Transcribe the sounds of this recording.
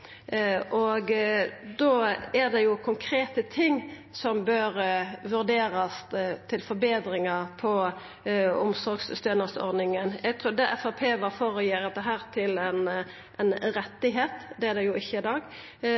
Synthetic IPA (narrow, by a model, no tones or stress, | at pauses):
ʔɔɡd̪oːæɾd̪ɛjʊkʰʊŋkʰɾeːt̪ət̪ʰɪŋː | sɔmbøːɾʋʉɾd̪eːɾɑst̪ʰɪlfɔɾbeːd̪ɾɪŋɑpʰɔ | ʊmsɔɾɡsst̪øːnəsɔ̰ɾd̪nɪŋənjɛɡt̪ʰɾuːd̪ɛʔɛfɑpʰeːʋɑfoːɾəjiːɾɛt̪d̪ɛɦæːɾt̪ʰɪlɛn | ʔɛɪnɾɛt̪ːɪɦeːt̪d̪ɛæɾd̪ɛjʊɪçːəɪd̪ɑːɡ